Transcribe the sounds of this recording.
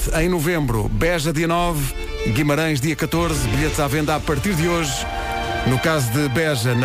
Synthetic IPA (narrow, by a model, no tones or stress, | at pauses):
ɐ̃j̃nuvẽmbɾṵβɛʒɐðiɐnɔv | ɣimɐɾɐ̃j̃ʒðiɐkɐt̪oɾzβiʎet̪zavẽnd̪apɐɾt̪iɾðɨoʒ | nukazuðɨβɛʒɐnɐ